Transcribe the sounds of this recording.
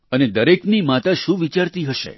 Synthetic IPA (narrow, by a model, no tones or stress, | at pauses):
əned̪əɾeknimat̪aʃũʋit͡ʃaɾt̪iɦəʃḛ